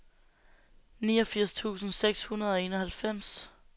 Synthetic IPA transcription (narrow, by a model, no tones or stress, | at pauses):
niːɒ̽fiɐ̰st͡sʰṵːsn̩seɡ̥shunɐð̞̩ˠɒ̽e̝ːnɒhælfem̰s